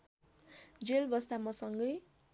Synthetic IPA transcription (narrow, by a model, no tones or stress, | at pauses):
d͡zelbʌst̪amʌsʌŋɡʌj